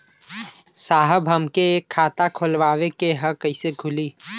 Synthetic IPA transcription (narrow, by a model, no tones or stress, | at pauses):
saːɦəbʱɐmkeeːkʰːaːt̪akʰolʋaːʋekeɦəkɐiseɡʱʊliː